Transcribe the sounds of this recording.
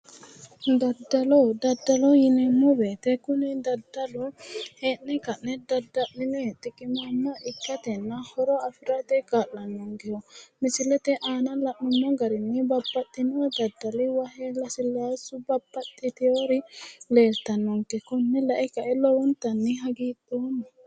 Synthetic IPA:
d̪ɐd̪ːɐlɔd̪ɐd̪ːɐlɔjɪnɛmːɔbeːt̪ɛkʊnɪd̪ɐd̪ːɐlɔheːnːɛkɐʔːɛd̪ɐd̪ɐʔnɪnɔt̪ɪkɪmamːɐʔɪkːɐt̪ɛnːɐhɔɾɔɐfɪɾɐt̪ɛkaːʔːɐnːɔŋɡɛhɔmɪsɪlɛt̪ɛʔaːnɐlɐʔnɔmːɔɡɐɾɪnːɪbɐbːɐt̪ʼːɪnɔd̪ɐd̪ːɐlɪwɐɦɛlɐsɪlːaasʊbɐbːɐt̪ʼːɪt̪ɪjoɾɪleːlt̪ɐnːɔŋkɛkɔnːɛlɐʔɛkɐʔɛlɔwɔnt̪ɐnːɪɦɐɡiːt̪ʼːɔːnɐ

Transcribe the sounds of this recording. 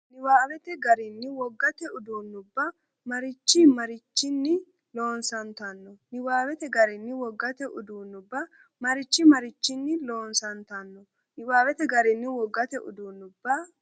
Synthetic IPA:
nɪwaːwɛt̪ɛɡɐɾɪnːɪwɔɡːɐt̪ɛʊd̪uːnːʊbːɐ | mɐɾɪt͡ʃːɪmɐɾɪt͡ʃːɪnːɪ | lo̞ːnsɐnt̪ɐnːɔnɪwaːwɛt̪ɛɡɐɾɪnːɪwɔɡːɐt̪ɛʔʊd̪uːnːʊbːɐ | mɐɾɪt͡ʃːɪmɐɾɪt͡ʃːɪnːɪlo̞ːnsɐnt̪ɐnːɔ | nɪwaːwɛt̪ɛɡɐɾɪnːɪwɔɡːɐt̪ɛʔʊ̰d̪uːnʊbːɐ

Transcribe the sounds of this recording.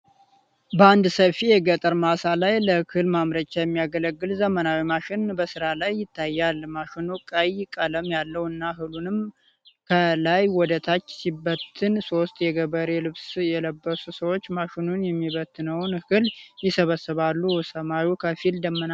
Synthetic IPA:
bəand̪səfijɛɡət̪ʼəɾmasalajləkʰɨlmamɾət͡ʃːajɛmːijaɡələɡːɨlzəmənawimaʃɪnbəsɨɾalajːɪt̪ʰːajːalmaʃɪnukʼəjɪkʼələmjalːəwɨnːaɦɨlunɨm | kʰəlajwɔd̪ət̪ʰat͡ʃːsibːət̪ʰːɨnso̞st̪jɛɡəβəɾelɨβsjɛləbːəsusəwot͡ʃːmaʃɪnunjɛmːiβət̪ʰːɨnəwnkɨljɪsəβəsːəβalːusəmawikʰəfild̪əmːəna

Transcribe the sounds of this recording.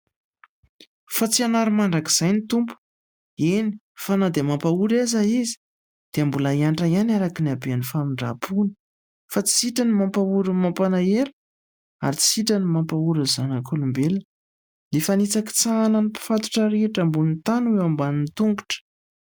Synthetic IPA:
fat͡sianaɾumaɳɖ͡ʐaki̥z̥ajnit̪umpu̥ | eni | fanad̪emampauɾazaizi̥ | d̪̥eambulaiaɳʈ͡ʂajanaɾakiniabeanifamiɳɖ͡ʐa̰pʰunə̥ | fat͡si̥siʈ͡ʂanimampauɾimampanaeɾi | a̰ɾit͡si̥siʈ͡ʂanimampauɾəzanakʰolumbelə | lefanit͡saki̥t͡sananipi̥fat̪u̥ʈ͡ʂaɾeʈ͡ʂambunit̪anuewambanint̪uŋɡu̥ʈ͡ʂə̥

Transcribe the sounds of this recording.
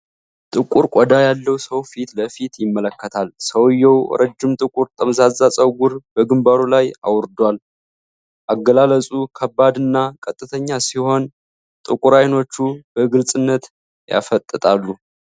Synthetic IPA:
t̪ʼɨkʼuɾkʼod̪ajalːəwsəwfit̪ləfit̪jɪmːələkːət̪ʰalsəwjːɛw̰ɾəd͡ʒːɪmt̪ʼɨkʼuɾt̪ʼəmzazːasʼəwɡuɾbəɡɨmbaɾulaja̰wɾd̪wal | ʔaɡːəlaləsʼukʰəbːad̪ɨnːakʼət̪ʼːɨt̪ʰəɲːasiho̞n | t̪ʼɨkʼuɾajno̞t͡ʃːub̥əɡɨlsʼɨnːət̪ | ja̰fət̪ʼːət̪ʼalːu

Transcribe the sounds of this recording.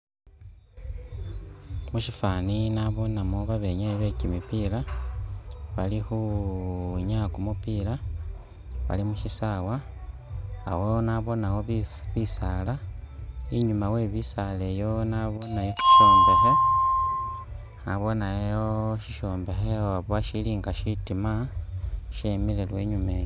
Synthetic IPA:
muʃifaninaβo̞namoβaβe̞ɲaiβe̞cimipila | βalixu | ɲakumupila | βa̰limuʃisawa̰ː | wenaβo̞nawo̞ββisala | iɲumawe̞βisale̞jo̞naβo̞najeki̥ʃo̞ːmbe̞xe̞ | aβo̞najoʃiʃo̞ːmbe̞xeaβwaʃiliːŋɡaʃitima | ʃemile̞lwe̞ɲumeːjo

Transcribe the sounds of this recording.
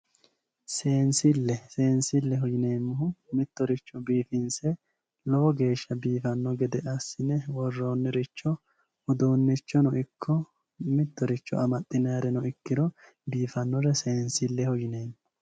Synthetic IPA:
se̞ːnsɪlːɛse̞ːnsɪlːɛɦɔjɪneːmːʊhʊmɪt̪ːɔɾɪt͡ʃːɔbiːfɪnsɛ | lɔwɔɡe̞ːʃːɐbiːfɐnːɔɡɛd̪ɛɐsɪnɛwɔrːo̞ːnːɪɾɪt͡ʃːɔ | ʊd̪uːnːɪt͡ʃːɔnɔʔɪkʰːɔ | mɪt̪ːɔɾɪt͡ʃːɔ̰ʔɐmɐt̪ʼːɪnaːɾɛnɔɪkːɪɾɔ | biːfɐnːɔɾɛse̞ːnsɪlːɛhɔjɪne̞ːmːʊ

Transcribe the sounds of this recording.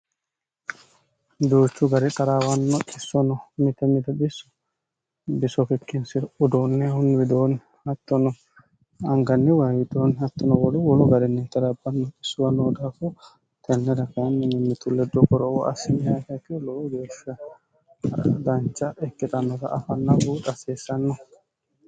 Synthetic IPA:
d̪uːt͡ʃːʊɡɐɾɛt̪ʼɐɾaːwɐnːɔʔɪsːɔnɔmɪt̪ːɛmɪt̪ɐbɪsːɔ̥ | bɪsɔkɛkːɪnsɪɾʊd̪onːɛhʊnwɪd̪oːn | hɐt̪ːɔnɔ | ɐŋɡɐnːɛwɐwɪd̪onɐt̪ːɔnɔwɔlɛwɔlɔɡɐɾɛnːɛt̪ʼɐɾabːɐnːɔt͡ʃɪsːʊwɐnːɔd̪aːfʊ | t̪ʰɛnːɛɾɐkɐnːɛnɛmːɪt̪ʼʊlːɛd̪ɔkɔɾɔwɔʔɐsɪnɪhɐkɐkːɛloɡe̞ːʃːɐ | d̪ɐnt͡ʃːɐʔɛkːɪt̪ʼɐnːɔt̪ɐ̰ʔɐfɐnːɐɡuᶑ̪ɐseːsːɐnːɔ

